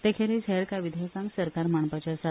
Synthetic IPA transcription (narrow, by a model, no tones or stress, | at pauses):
t̪ekʰeɾiɕɛɾkaʋid̪ʱekãŋksəɾkaɾmaɳpat͡ɕasa